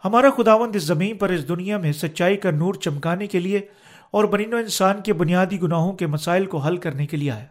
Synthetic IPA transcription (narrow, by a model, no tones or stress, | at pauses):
hɐmaːɾaxʊd̪aːʋə̃nd̪ɪs̬zɐmiːnpɐɾɪs̬d̪ʊnijamẽsɐt̪ːʃaːikɐnuːɾt͡ʃɐmkaːnekelie | ɔːɾbɐniːnoɪ̃nsaːnkebʊnijaːd̪iɡʊnaːɦõkemɐsaːɪlkoɦɐlkɐɾnekeliea̰ːeː